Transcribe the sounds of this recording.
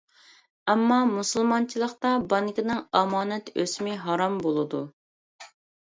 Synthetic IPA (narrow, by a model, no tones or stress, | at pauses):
ɛmːɑmusɨlˠmɑnt͡ʃʰilˠəqt̪ɑbɑŋkʲinɪŋɑmɑːnɛt̪øsmɪɦɑɾɑmbolˠɨd̪u